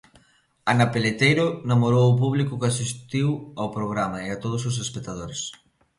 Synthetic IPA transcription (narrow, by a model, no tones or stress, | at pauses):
anapelet̪ejɾʊnamoɾowʊp̬uβ̞likʊkasist̪iwawpɾoɣ̞ɾamaeat̪oð̞ʊs̬ʊs̬espek̚t̪að̞oɾes